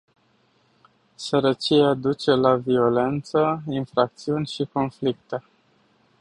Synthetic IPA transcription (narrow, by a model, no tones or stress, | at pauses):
səɾət͡ʃiad̪ut͡ʃe̞lavio̞le̞nt̪səinfɾak̚t̪siunʲʃiko̞nflik̚t̪e̞